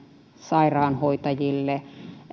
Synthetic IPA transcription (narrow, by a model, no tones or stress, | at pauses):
sɑirɑːnhoit̪ɑjilːe